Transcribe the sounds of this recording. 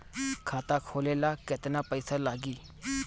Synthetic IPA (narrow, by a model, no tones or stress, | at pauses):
kʰaːt̪aːkʰoːleːlaːkɪt̪naːpəɪsaːlaːɡiː